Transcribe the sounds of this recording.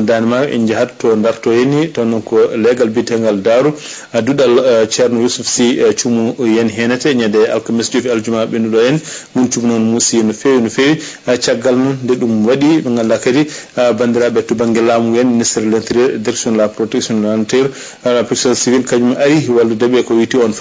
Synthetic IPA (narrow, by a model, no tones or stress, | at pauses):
danɛmakʔḭɲd͡ʒahadtɔndaɾtɔjenːitɔnɔnkɔlɛɡalbitɛŋɡaldaɾu | aduɗalt͡ʃɛɾnɔjusufsit͡ʃumujɛnɦɛnɛtɛɲɛdɛa̰lkamɛsd͡ʒofiald͡ʒumaɓɛnuɗɔjɛnmunt͡ʃumnɔnmusijɛnɔfewinɔfewi | t͡ʃaɡːalnɔnːdɛɗumwaɗiɓɛŋɡalːakadibandiɾaɓɛtubaŋɡɛlamuŋɡɛnːnistɛɾlɛnt̪ɾiɾdɛɾksɔnlapɾɔtɛksɔnantɛɾ | apɾɛksiɔnsivilkad͡ʒumʔaɾiwaldudɛbɛkɔwitiɔnf